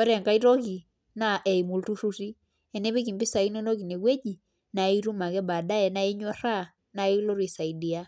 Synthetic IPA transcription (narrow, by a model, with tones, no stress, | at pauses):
a˦ɾɛ˨ŋka˦i˦ɾɔ˦ɣi˨ | na˨ʔɛ˨i˨mu˨ltu˦ɾu˦ɾi˦ | ɛ˨nɛ˦βe˦ki˨mbi˦sa˨i˦nɔ˦nɔ˦ɣi˨ne˨ɣwɛ˦d͡ʒi˨ | na˨i˦ɾu˦ma˨ɣɛ˦ba˨da˦ɛ˨na˦e˦ɲwɔ˦ɾa˦˨ | na˨i˦lo˦ɾwi˨sa˨i˨di˨a˦